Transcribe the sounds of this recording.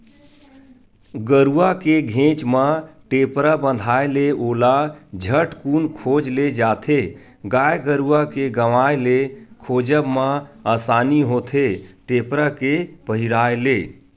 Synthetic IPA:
ɡəɾuakeɡʱẽt͡ʃməʈepɾabə̃nd̪ʱaeleʔolad͡ʒʱəʈkunkʰod͡ʒled͡ʒat̪ʰe | ɡajɡəɾuakeɡəʋaelekʰod͡ʒəbməasaniɦot̪ʰeʈepɾakepəɦiɾaele

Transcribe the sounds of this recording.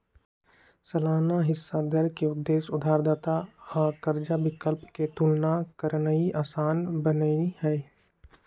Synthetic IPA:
səlaːnaɦɪsːad̪əɾkeʊd̪ːeːʃʊd̪ʱaːɾd̪aːt̪aakəɾd͡ʒabɪkəlpket̪ʊlnakəɾnəiʔaːsaːnbənəihɛː

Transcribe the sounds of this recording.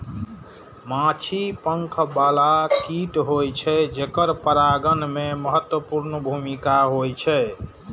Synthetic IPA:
mãt͡ʃʰipəŋkʰbalakʰiʈɦojt͡ʃʰɛd͡ʒekəɾpəɾaɡənmeməɦət̪wəpuɾnəbʱumikaɦojt͡ʃʰɛ

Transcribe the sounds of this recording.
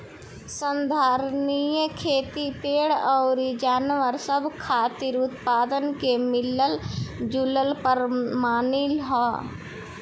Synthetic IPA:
sənd̪ʱaːɾnijəkʰeːt̪ipeːɽɔːɾid͡ʒaːnʋəɾsəbʱkʰaːt̪iɾʊt̪paːd̪ənkemɪləld͡ʒuləlpəɾmaːnɪlɦɔː

